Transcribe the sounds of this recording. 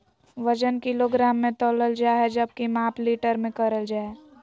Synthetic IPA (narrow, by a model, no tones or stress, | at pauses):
ʋɐd͡ʒənkɪloɡɾaːmːẽt̪ɔːləld͡ʒaːɦɛd͡ʒɐb̚kimaːpliːʈəɾmẽkɐɾəld͡ʒaːe